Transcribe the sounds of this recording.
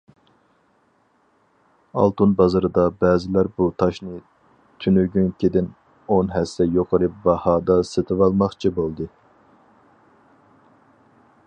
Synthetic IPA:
ɑ̰lˠt̪unbɑzɨɾɨd̪ɑbɛːzɪlæɾbut̪ʰɑʃnɨ | t̪ʰynyɡʲynkʲʰed̪ɪn | onɦɛsːɛjoqʰəɾɨp̚bɑhɑːd̪ɑset̪ʰɨwɑlˠmɑχt͡ʃʰibolˠd̪ɨ

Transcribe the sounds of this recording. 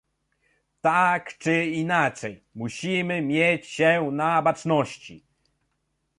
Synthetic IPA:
t̪akt͡ʂɘinat͡ʂɛjmuɕimɘmʲjet͡ɕɕɛnabat͡ʂnɔɕt͡ɕḭ

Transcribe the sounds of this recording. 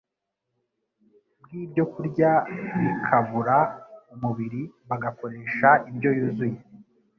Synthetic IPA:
bɡiːbɟo̞kuɾɟaβikʰaβuɾaumuβiɾi | βaɡako̞ɾe̞ːʃaibɟo̞juzuje

